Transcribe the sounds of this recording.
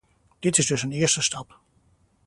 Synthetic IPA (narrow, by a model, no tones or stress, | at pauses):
d̥ɪtɪzdɵsənɪəɹstəstɑp